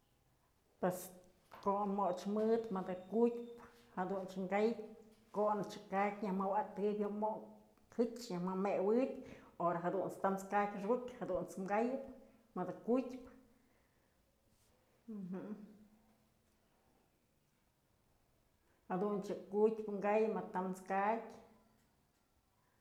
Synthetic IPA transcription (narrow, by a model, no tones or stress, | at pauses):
pwes | koʔmoʔt͡ʃmɨd̪mɨd̪ɨkutʲp | had̪unt͡ʃŋɡajp | konɨt͡ʃɨkakʲɲahmawat̪ɨbʲjomoʔ | hɨt͡ʃɲahmamewɨtʲoɾaɦad̪unt͡st̪amt͡skakʲʂɡuʔkʲhad̪unt͡smɡajɨp̚ | mɨd̪ɨkutʲp | ɦ | had̪unt͡ʃɨkutʲpɨŋɡajmat̪amt͡skakʲ